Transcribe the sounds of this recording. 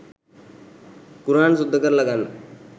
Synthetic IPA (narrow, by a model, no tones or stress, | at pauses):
kuɾaɳsud̪ʱːəkəɾləɡan